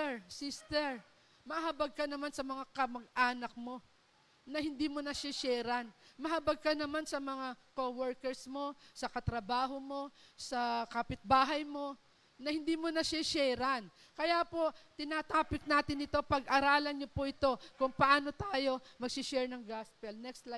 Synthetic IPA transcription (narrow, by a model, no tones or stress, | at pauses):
ɛsist̪ɛɹ | mɐhabɐɡ̚kɐnɐmansɐmɐŋakɐmɐɡ̚ʔaːnɐk̚mo̞ | nɐhɪnd̪iːmonɐʃaʃɛːɾɐnmɐhɐbɐɡ̚kɐnɐmansɐmɐŋakowɛɹkɛɹsmo̞sɐkɐt̪ɾɐbaːɦo̞mo̞sɐkaːpɪt̪̚baːɦɐjmo̞ | nɐhɪnd̪iːmonɐʃaʃɛɾɐn | kɐjaːpo̞t̪ɪnaːt̪aːpɪk̚naːt̪ɪnɪt̪o̞pɐɡʔɐɾaːlɐnɲopoʔɪt̪o̞kʊŋpɐʔaːno̞t̪aːjo̞mɐɡ̚sɪʃɛɹnɐŋɡaspɛlnɛkst̪la